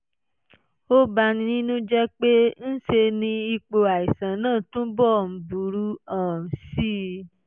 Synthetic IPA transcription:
o˦ba˧nĩ˧nĩ˦nũ˦d͡ʒɛ˦k͡pe˦n̩˦ʃe˧nĩ˧i˧k͡po˧a˨i˨sã˨nãː˦˨tũ˦bɔ˦˨m̩˨˦bu˨ɾu˦ã˦˨si˦

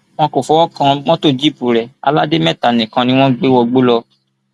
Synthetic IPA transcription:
w̃ɔ̃˧ko˨fɔ˧wɔ˦kã˧w̃ɔ̃˦to˦˨d͡ʒi˦˨pu˨ɾɛ˨a̰˧la˦de˦mɛ̃˦˨ta˨nĩ˨kã˧nĩ˦w̃ɔ̃˦ɡ͡be˦wɔ˧ɡ͡bo˦lɔ˧

